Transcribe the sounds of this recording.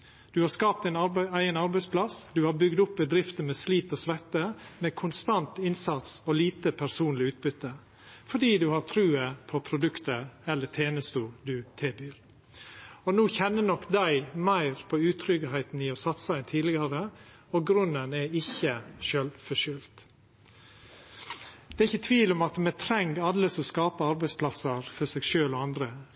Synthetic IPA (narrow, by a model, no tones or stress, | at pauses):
d̪̥ʉhɑɾskɑːpt̪ɛɪnɑɾæɪənɑɾbæɪspʰlɑsd̪ʉhɑːɾbʏɡd̪ʊpbəd̪ɾɪft̪əmɛsliːt̪ɔsʋɛt̪ːəmeːkʰʊnst̪ɑnt̪ɪnsɑt̪sɔliːt̪əpʰæɾsuːnlɪʉːt̪̚bʏt̪ːə | fɔɖiːd̪ʉhɑɾt̪ʰɾʉːəpʰɔpʰɾʊd̪ʉkt̪əɾɛlːət̪ʰeːnəst̪uːd̪ʉt̪ʰeːbyːɾ | ɔnuːçɛnːənɔkːd̪æɪmæɪɾpʰɔʉːt̪ʰɾʏɡəhæɪt̪n̩ɪɔsɑt̪səæɪnt̪ʰiːd̪lɪɡɑɾə | ɔɡɾʉnːənɛɪçːəʃøːlfɔʂʏlt̪ | d̪ɛɪçːət̪ʰʋiːlɔmɑt̪mɛt̪ʰɾɛŋɡɑlːəsɔskɑːpəɑɾbæɪspʰlɑsəɾfɔsɛɡʃøːlɔɑnd̪ɾə